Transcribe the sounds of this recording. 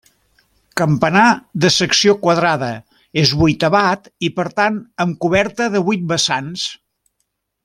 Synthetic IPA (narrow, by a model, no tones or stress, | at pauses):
kəmpənaðəsəksiokwəðɾaðə | ezβujt̪əβat̪ipəɾt̪anəmkuβɛɾt̪əðəβujt̪̚bəsans